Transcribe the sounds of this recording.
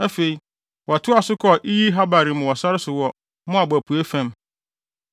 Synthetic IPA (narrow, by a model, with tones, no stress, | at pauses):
æ˦fe˨i˨ | wɔ˨tʰʊ˦a˨sʊ˦kʰɔ˦˨ʔi˦ji˦ɦa˦ba˨ɾi˨m̃˨wɔ˨sa˦ɾɪ˦sʊ˨wɔ˦ | mʊ̃˦a˨bæ˨pʰu˨e˦fæ̃˦m